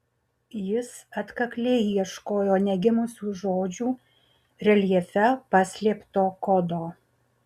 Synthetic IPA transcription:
jɪsɐt̪kɐklʲeːiiɛʃkoːjoːnʲɛɡʲɪmʊsʲuːʒoːd͡ʒʲuː | ɾʲɛlʲɛfʲɛpɑsʲlʲeːpt̪oːkɔd̪oː

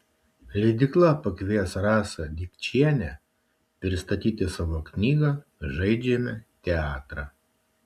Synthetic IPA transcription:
lʲɛd̪ʲɪklˠɐpɐkʋʲiɛsɾɑːsɐd̪ʲɪkt͡ʃʲiɛnʲɛ | pʲɾʲɪst̪ɐt̪ʲiːt̪ʲɪsɑːʋoːknʲiːɡɐ | ʒɐɪd͡ʒʲɛmʲɛt̪ʲɛɑːt̪ɾɑ

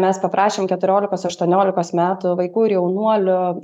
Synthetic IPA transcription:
mʲɛspɐpɾɑːʃʲeːmkʲɛt̪ʊɾʲoːlʲɪkoːsɐʃt̪uɔnʲoːlʲɪkoːsmʲæːt̪ʊʋɐɪkuːɪɾjɛʊnuɔlʲʊ

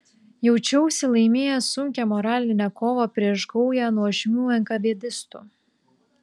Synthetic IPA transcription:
jɛʊt͡ʃʲɛʊsʲɪlˠɐɪmʲeːjɛsʊŋʲkʲɛmɔɾɑːlʲɪnʲɛkoːʋopʲɾʲiɛʃɡɒʊjæːnuɔʒʲɪmʲuːɛŋkɐʋʲiɛd̪ʲɪst̪ṵːˑ

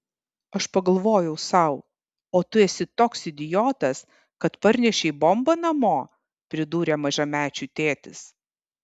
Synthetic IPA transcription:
ɐʃpɐɡɐlˠʋoːjɛʊsɐʊ | oːt̪ʊɛsʲɪt̪oːksɪd̪ʲɪjoːt̪ɐs | kɐt̪pɐɾʲnʲɛʃʲɛɪbɔmbɐnɐmoː | pʲɾʲɪd̪uːɾʲeːmɐʒʲɛmʲæːt͡ʃʲuːt̪ʲeːt̪ʲɪs

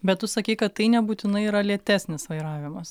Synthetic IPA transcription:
bʲɛt̪t̪ʊsɐkʲiɪkɐt̪tɐɪnʲɛbuːt̪ʲɪnɐɪiːɾɐlʲiɛt̪ʲæːsʲnʲɪsʋɐɪɾɑːʋʲɪmɐs

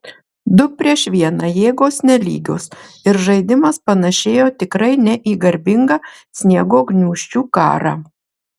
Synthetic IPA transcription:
d̪ʊpʲɾʲiɛʃʋʲiɛnɑjeːɡoːsnʲɛlʲḭːɡʲo̰ːsɪɾʒɐɪd̪ʲɪmɐspɐnɐʃʲeːjoːt̪ʲɪkɾɐɪnʲɛʔiːɡɐɾʲbʲɪŋɡɐː | sʲnʲiɛɡoːɡnʲuːʃʲt͡ʃʲuːkɑ̰ːɾɑ̰ː

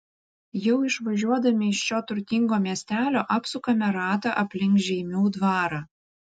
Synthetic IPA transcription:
jɛʊɪʃʋɐʒʲuɔd̪ɐmʲɪɪʃʃʲoːt̪ʊɾʲt̪ʲɪŋɡoːmʲiɛsʲt̪ʲæːlʲoːʔɐpsʊkɐmʲɛɾɑːt̪ɑʔɐpʲlʲɪŋkʒʲɛɪmʲuʊd̪ʋɑːɾɑ

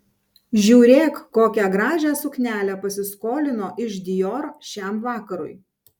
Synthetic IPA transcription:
ʒʲuːɾʲeːkːoːkʲæɡɾɑːʒʲæːsʊknʲæːlʲæpɐsʲɪskoːlʲɪnoːʔɪʃd̪ʲɪjoːɾʃʲæˑmʋɑːkɐɾʊ̰j

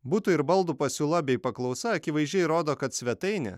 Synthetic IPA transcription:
buːt̪ʊɪɾbɐlˠd̪upɐsʲuːlˠɐbʲɛɪpɐklˠɒʊsɐɐkʲɪʋɐɪzʲʒʲd͡ʒʲɛɪɾoːd̪oːkɐt̪sʲʋʲɛt̪ɐɪnʲɛ̰

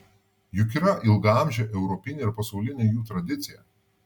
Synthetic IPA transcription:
jʊkʲiɾɐʔɪlˠɡɐɑˑmʲʒʲɛʔɛʊɾɔpʲɪnʲeːɪɾpɐsɐʊlʲɪnʲeːjuːt̪ɾɐd̪ʲɪt̪sʲɪjɛ

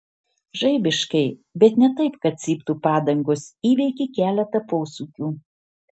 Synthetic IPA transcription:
ʒɐɪbʲɪʃkɐɪbʲɛt̪nʲɛt̪ɐɪpkɐt̪̚sʲiːpt̪uːpɑːd̪ɐŋɡoːsiːʋʲɛɪkʲɪkʲæːlʲɛt̪ɐpoːsuːkʲuː

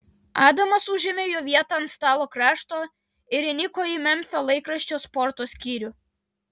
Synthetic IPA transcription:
ɑːd̪ɐmɐsʊʒʲɪmʲeːjoːʋʲiɛt̪ɐnst̪ɑːlˠoːkɾɑːʃt̪oː | ɪɾʲɪnʲɪkoːimʲɛmʲfʲoːlˠɐɪkɾɐʃʲt͡ʃʲoːspɔɾt̪oːsʲkʲiːɾʲʊ

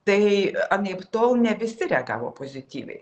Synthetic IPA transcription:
t̪ɐɪɑnʲeɪpt̪oːʊnʲɛʋʲɪsʲɪɾʲɛɡɑ̰ːʋo̰ːpoːzʲɪt̪ʲiːʋʲɛ̰ɪ

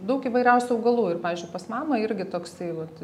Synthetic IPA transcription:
d̪ɐʊkiːʋɐɪɾʲɛʊsʲuɐʊɡɐlˠuːɪrpɑːʋʲiːzʲd͡ʒʊɪpɐsmɑːmɐɪɾʲɡʲɪt̪oːksɐɪʋɐt̪

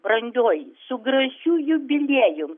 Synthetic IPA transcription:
brɐŋʲɡʲoːjsʊɡɾɐʃʲuːjʊbʲɪlʲeːjʊm

